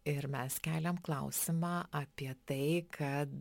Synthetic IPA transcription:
ɪɾmʲɛskʲæːlʲɛmklˠɐ̰ʊsʲɪmɑːʔɐpʲiɛt̪ɐɪkʰɐt̪

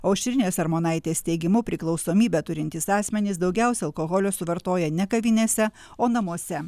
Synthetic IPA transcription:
ɐʊʃʲt̪ʲɾʲɪnʲeːsɐɾmoːnɐɪt̪ʲeːst̪ʲɛɪɡʲɪmʊpʲɾʲɪklˠɒʊsoːmʲiːbʲɛt̪ʊɾʲɪnt̪ʲɪsɑːsʲmʲɛnʲɪs̬d̪ɒʊɡʲɛʊsʲɛɐlˠkoːɣɔlʲosʊʋɐɾt̪oːjɛnʲɛkɐʋʲɪnʲeːsʲɛ | oːnɐmuɔsʲɛ

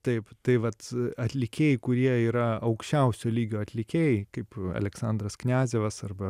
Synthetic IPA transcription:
t̪ɐɪpt̪ɐɪʋɐt̪ɐt̪ʲlʲɪkʲeːjɛɪkʊɾʲiɛiːɾɐɐʊkʃʲt͡ʃʲɛʊsʲoːlʲiːɡʲoːɐt̪ʲlʲɪkʲeːjɛɪkɐɪpɐ̰lʲɛksɐnd̪ɾɐsknʲæːzʲeːʋɐsɐrbɐ

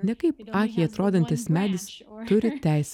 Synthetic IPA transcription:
nʲɛkɐɪpɑːxʲɛɪɐt̪ɾoːd̪ʲɐnʲt̪ʲɪsmʲæːd̪ʲɪst̪ʊɾʲɪt̪ʲæˑɪsʲ

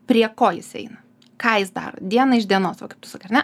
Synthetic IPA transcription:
pʲɾʲiɛkoːjɪsɛ̰ɪnɐ | kɑːjɪsd̪ɑ̰ːɾo̰ːd̪ʲiɛnɐɪʒd̪ʲiɛnoːsʋɐkɐɪp̚t̪ʲʊ̥sɑːkːɐrnʲɛ

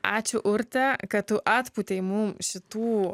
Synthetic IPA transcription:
aːt͡ʃʊʔʊɾt̪ɐkɐt̪ʊʔat̪pʊt̪ʲɛjmʊmʃɪt̪uː

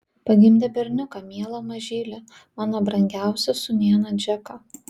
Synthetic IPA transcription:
pɐɡʲɪmʲd̪ʲɛbʲɛɾʲnʲʊkɑmʲiɛlˠɐmɐʒʲiːlʲɛ | mɑːnoːbɾɐŋʲɡʲæˑʊsʲɛsʊnʲiɛnɐd͡ʒʲɛkɑ

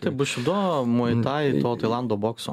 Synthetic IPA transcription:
t̪ɐɪbʊʃʲʊd̪omojt̪t̪aɪt̪oːt̪ɐjlˠand̪oːboːksɔ̰

